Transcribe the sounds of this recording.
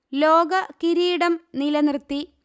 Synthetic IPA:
loːɡɐkiɾiːɽɐmnilɐnrt̪ːi

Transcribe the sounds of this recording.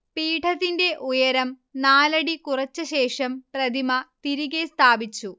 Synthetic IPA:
piːʈʰɐðinde̞ʔujɐɾɐm | naːlɐɽikurɐt͡ɕːɐɕeːʂɐmprɐd̪ʱimɐt̪iɾiɣest̪ʰaːbit͡ɕːu

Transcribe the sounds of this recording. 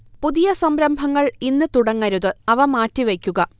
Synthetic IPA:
puðijɐsɐmɾɐmbʱɐŋːɐɭinːɨt̪uɽɐŋːɐɾuðɨɐʋɐmaːtːiʋekʲːuɣɐ

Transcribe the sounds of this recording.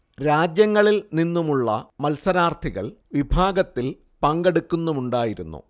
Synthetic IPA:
ɾaːd͡ʑjɐŋːɐɭilninːumuɭːɐ̰mɐlsɐɾaːrt̪ʰiɣɐ̰ɭʋibʱaːɡɐt̪ːil | pɐŋɡeɽukːunːumuɳɖaːjiɾunːṵ

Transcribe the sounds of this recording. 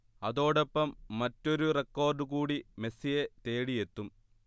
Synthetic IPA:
ɐðo̞ːɽe̞pːɐmːɐtːo̞ɾurekːo̞ːrɖɨkuːɽime̞sijet̪e̞ːɽije̞t̪ːum

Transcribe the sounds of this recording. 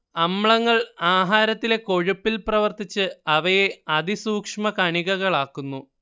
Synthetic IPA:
ɐmɭɐŋːɐɭaːɦaːɾɐt̪ːile̞ko̞ɻupːilprɐʋɐrt̪it͡ɕːɨɐʋɐje̞ɐd̪isuːkʂmɐkɐɳiɣɐɣɐɭaːkːunːu

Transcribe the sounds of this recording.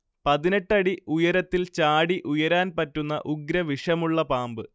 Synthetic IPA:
pɐðine̞ʈːɐɽiujɐɾɐt̪ːilt͡ɕaːɽiʔujɐɾaːnpɐtːunːɐ̰ʔuɡɾɐʋiʂɐmuɭːɐpaːmbɨ

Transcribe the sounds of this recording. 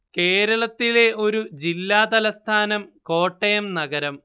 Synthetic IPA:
ke̞ːɾɐɭɐt̪ːile̞ʔo̞ɾud͡ʑilːaːd̪ɐlɐst̪ʰaːnɐmko̞ːʈːɐjɐmnɐɡɐɾɐm

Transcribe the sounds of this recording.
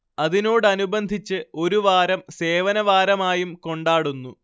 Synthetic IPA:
ɐðino̞ːɽɨɐnubɐnd̪ʱit͡ɕːɨo̞ɾuʋaːɾɐmse̞ːʋɐnɐʋaːɾɐmaːjumko̞ɳɖaːɽunːu

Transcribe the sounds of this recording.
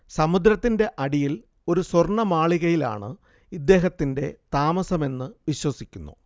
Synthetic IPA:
sɐmud̪ɾɐt̪ːinde̞ʔɐɽijil | o̞ɾusworɳɐmaːɭiɣɐjila̰ːɳɨ | id̪ːe̞ːɦɐt̪ːinde̞t̪aːmɐsɐme̞nːɨʋiɕwɐsikʲːunːṵ

